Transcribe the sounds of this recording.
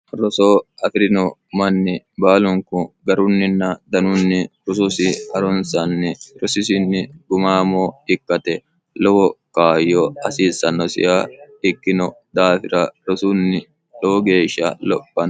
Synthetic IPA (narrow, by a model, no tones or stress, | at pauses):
ɾɔsoːɐfɪɾɪnɔmɐnːɪ | baːlʊŋkʊɡɐɾʊnːɪnːɐd̪ɐnʊnːɪɾʊsʊsɪɐɾɔnsɐnːɪɾɔsɪsɪnːɪɡʊmaːmoːɪkːɐt̪ɛ | lɔwɔkaːjːɔɐsiːsɐnːɔsɪ̰jaː | ɪkːɪnɔd̪aːfɪɾɐɾɔsunːɪ | lɔɔɡeːʃːɐ̰lɔpːɐn